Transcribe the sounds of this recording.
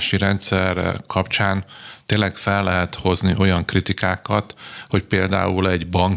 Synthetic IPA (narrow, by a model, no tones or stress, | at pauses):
ʃiɾɛnt̪sɛrkʰɒpt͡ʃaːnt̪eːnlːɛkfɛlːɛɦɛt̪ho̞zniʔo̞jɒŋkrit̪ikaːkɒt̪ho̞c̚peːld̪a̰ːulɛɟbɒŋ